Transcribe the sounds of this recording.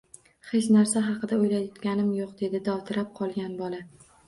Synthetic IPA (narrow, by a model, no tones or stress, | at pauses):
χet͡ʃnaɾsaɦɑqɨd̪aojlaj̪ɒt̪ɡʲanɪmjoqd̪e̞d̪ɪd̪ɒwt̪ʰɪɾap̚qʰɒlˠɡʲanbɒlˠa